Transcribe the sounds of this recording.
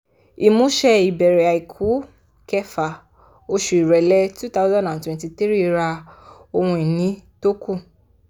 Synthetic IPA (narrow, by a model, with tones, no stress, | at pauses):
i˨mũ˨˦ʃɛ˧i˨bɛ˨ɾɛ˨a˨i˨kʰu˨˦ | kɛ˦fa˨ | o˦ʃu˧˨i˨ɾɛ˨lɛ˦tu˦t̪a˦ʊ˦zã˦ndã˨ntwɛ̃˨nti˧t̪i˦ɾi˦i˧ɾa˧ | o˧hũ˧i˨nĩ˨˦to˦ku˦˨